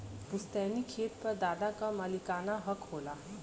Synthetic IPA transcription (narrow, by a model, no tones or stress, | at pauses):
bʊst̪ɛːnikʰeːt̪̚pɐɾd̪aːd̪akaməlikaːnaɦəkɦoːlaː